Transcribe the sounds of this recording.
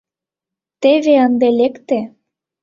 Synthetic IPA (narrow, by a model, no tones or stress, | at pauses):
t̪eβeənd̪elekt̪ĕ